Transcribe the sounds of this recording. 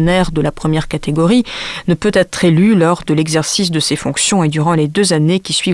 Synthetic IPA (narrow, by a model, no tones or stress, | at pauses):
nɛʁd̪əlapχəmjɛʁkat̪ʰeɡɔʁinəpøt̪ɛt̪χelylɔʁd̪əlɛɡzɛʁsis̬d̪əsefɔ̃ksjɔ̃ed̪yʁɑ̃led̪øzanekʲisɥi